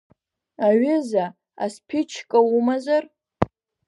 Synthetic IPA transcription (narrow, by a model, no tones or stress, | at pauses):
aɥɪza | a̰spʲʰɪt͡ʃʰkʼaumazar